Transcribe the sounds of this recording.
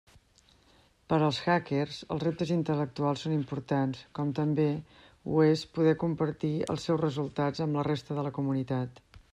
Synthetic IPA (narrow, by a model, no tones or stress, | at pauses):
pəɾəlˠsxakerzəlˠzrep̚t̪əzint̪ələk̚t̪ualˠsonimpuɾt̪anskɔmt̪əmbe | ṵespuðɛkumpəɾt̪iə̰lˠsːɛwzrəzulˠt̪ad͡zəmlərest̪əðələkumunit̪at̪